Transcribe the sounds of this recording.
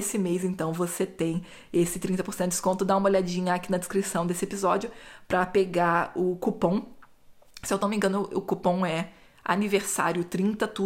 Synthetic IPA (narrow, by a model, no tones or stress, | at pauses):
sɪmejzẽnt̪ɐ̃w̃voset̪ẽj̃ | esɪt̪ɾĩnt̪ɐpoɾsẽt̪ʊɪdɪ̥skõnt̪ʊd̪aũmɐoʎad͡ʒĩɲɐakinɐd̪ɪskɾisɐ̃w̃d̪esɪepizɔd͡ʒʊpɾɐpeɡaɾʊkupõw̃ | sɪewt̪omẽɡɐ̃nʊʊkupõw̃ɛ | a̰niveɾsa̰ɾjʊt̪ɾĩnt̪ɐt̪u